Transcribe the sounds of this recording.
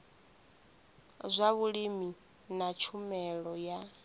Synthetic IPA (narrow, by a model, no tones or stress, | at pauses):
zʷaβuɺimi | nat͡ʃʰumɛɺɔja